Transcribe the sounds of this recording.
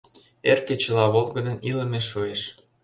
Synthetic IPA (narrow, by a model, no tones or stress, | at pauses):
erket͡ɕə̆lɑβolˠɣə̆d̪ənilə̆meʃueʃ